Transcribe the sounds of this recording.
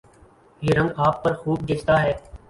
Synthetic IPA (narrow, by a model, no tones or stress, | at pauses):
jeːɾə̃ŋɡaːpːəɾxuːb̚d̪et͡ʃʰt̪aːɦɛː